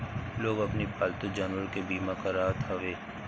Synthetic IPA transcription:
loːɡɐpnipaːlt̪od͡ʒaːnʋəɾkebiːmakaɾaɦat̪ʰɐʋeː

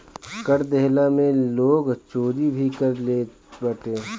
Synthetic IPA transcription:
kɐɾd̪ɛɦlamẽloːɡt͡ʃoːɾibʱikɐɾleː | bɐʈẽː

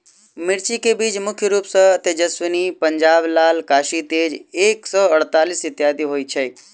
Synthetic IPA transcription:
mɪɾt͡ʃikebiːt͡ʃmʊkʰjəɾuːpsət̪ed͡ʒəswɪnipəɲd͡ʒaːblaːlkaːʃit̪eːd͡ʒeːksɔːəɽt̪aːlisɪt̪jaːd̪iɦoːit͡ʃʰe

